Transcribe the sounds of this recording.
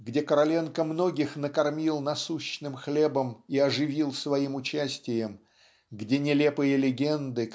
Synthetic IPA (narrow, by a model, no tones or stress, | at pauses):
ɡdʲe̞kəɾɐlʲe̞nkəmno̞ɡʲɪxnəkɐrmʲilˠnɐsuɕːnɨmxlʲe̞bəmiɐʐɨvʲilˠsvɐimʊt͡ɕæsʲtʲɪjəm | ɡdʲenʲɪlʲe̞pɨjəlʲɪɡʲe̞nd̪ɨ